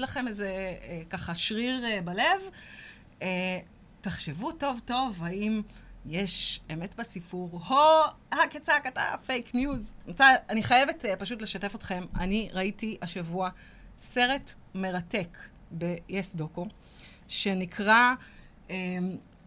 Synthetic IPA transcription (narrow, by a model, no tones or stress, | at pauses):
laχe̞mezekaχaʃʁiʁbale̞v | e | taχʃevuto̞vto̞vhaimjeʃeme̞tbasifuʁho | haket͡sakata̰fejknjuzmot͡saaniχajevetpaʃutleʃate̞fo̞tχe̞mʔa̰niʁaitiʔaʃavua | se̞ʁe̞t | me̞ʁate̞k | be̞jesdoko | ʃe̞nikʰʁa | em